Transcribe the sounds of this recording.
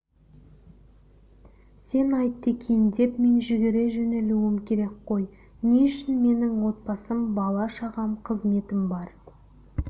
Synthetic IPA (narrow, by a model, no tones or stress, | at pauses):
se̞nɑjt̪ːe̞kʲʰe̞jɪnd̪e̞pme̞nʒʏɡʲeɾe̞ʒɵneluwɪmkʲʰe̞ɾe̞kqo̞j | neʏʃɪnme̞nɪŋwo̞t̪̚pɑsəmbɑlˠɑʃɑʁɑmqʰəzme̞t̪ɪmbɑɾ